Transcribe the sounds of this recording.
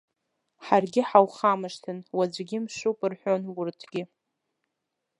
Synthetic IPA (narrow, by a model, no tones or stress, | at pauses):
ħarɡʲɪħawχamɨʂtʰɨnwad͡ʒʷɡʲɪmʂʷupʼɨrħʷᶣonwʊrtʰɡʲɪ